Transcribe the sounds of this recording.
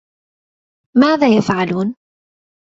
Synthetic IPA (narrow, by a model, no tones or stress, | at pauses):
maːðaːjafʕaluːn